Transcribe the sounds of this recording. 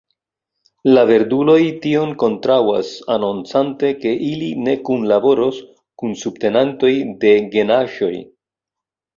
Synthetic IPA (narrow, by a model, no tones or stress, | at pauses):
lave̞ɾdulo̞jtio̞nko̞ntɾawa̰sanont͡sante̞ke̞ʔiline̞kunlabo̞ɾo̞s | kunsubte̞nanto̞jde̞ɡe̞naʃo̞j